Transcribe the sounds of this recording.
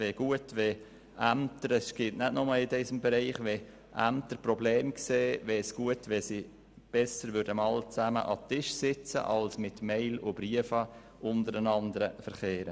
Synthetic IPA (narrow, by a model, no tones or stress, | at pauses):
veɡ̥uətʋe | ʔæmtəɾɛsɡ̥ɪtnɛdnɔməlɪdɛsəmbɛɾiɪχʋe | ʔæmtəɾprɔbleːmkseːvɛsɡ̥uətʋɛsi | b̥ɛsəɾvʏɾdəmɑlt͡sæmə̰ʔɑtɪʃsɪt͡sə̰ʔɑlsmɪtmeɪlʊb̥ɾiəfɑ | ʔʊntəɾənɑndəɾəfəɾχeːɾə